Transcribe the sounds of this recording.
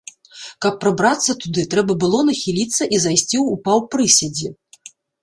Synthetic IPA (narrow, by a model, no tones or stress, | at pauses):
kɐpːɾɐbɾat̪sːɐt̪ud̪ɨt̪ɾɛbɐbɨlˠɔnɐxʲilʲit̪sːɐʔizajsʲt͡sʲiwupawpɾɨsʲɐd͡zʲi